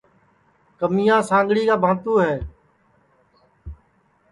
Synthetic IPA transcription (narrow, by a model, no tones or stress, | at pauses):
kəmijãːsãːŋɡɽiːkaːbʱãːt̪uːɦɛː